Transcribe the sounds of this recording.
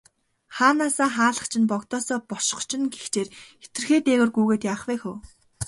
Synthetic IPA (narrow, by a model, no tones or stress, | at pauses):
χaːnaːsaːχaːɮə̆χt͡ɕʰɪ̆npɔkt̪ɔːsɔːpɔ̥ʃɞ̥̆χt͡ɕʰɪ̆nɡext͡ɕeːre̥t̪ɘ̆rxeːt̪eːwɘ̆rɡuːɣeːt̪jaːχwæːxuw